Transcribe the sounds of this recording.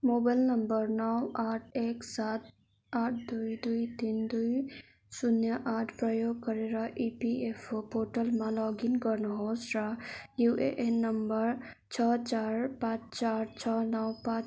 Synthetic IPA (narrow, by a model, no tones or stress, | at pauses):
mobalnəmbəɾnɔwaʈʰeksat̪ | aʈʰd̪ujd̪ujt̪ind̪uj | sunjəʔaʈʰpɾʌjoɡ̚kʌɾeɾʌʔipiepʰopoɾʈəlmãlɔɡinkʌɾnuɦosɾajuʔeʔenːəmbəɾ | t͡ʃʰʌt͡ʃaɾpãt͡ʃt͡ʃaɾt͡ʃʰʌnʌwpãt͡ʃ